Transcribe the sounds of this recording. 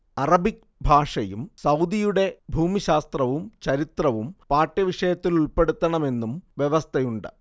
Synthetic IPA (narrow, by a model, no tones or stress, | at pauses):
ɐrɐbik̚ | bʱaːʂɐjumsɐwd̪ijuɽe̞bʱuːmiɕaːst̪rɐʋumt͡ɕɐɾit̪rɐʋumpaːʈːɐʋiʂɐjɐt̪ːiluɭpe̞ɽut̪ːɐɳɐme̞nːumʋjeʋɐst̪ʰɐjuɳɖɨ̰